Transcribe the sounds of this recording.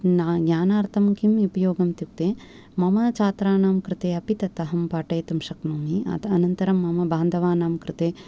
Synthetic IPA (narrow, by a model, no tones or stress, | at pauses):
naɡɲaːnaːɾt̪ʰɐmkimipɐjoːɡɐmt̪juk̚t̪eː | mɐmɐt͡ʃaːt̪ɾaːnaːmkɾɪt̪eːɐpit̪ɐt̪ɐɦɐmpaːʈɐːt̪ɐmʃɐknuːmiɐ̰t̪ɐnɐnt̪ɐɾɐmːɐmɐbaːnd̪ʱɐʋaːnaːmkɾɨt̪eː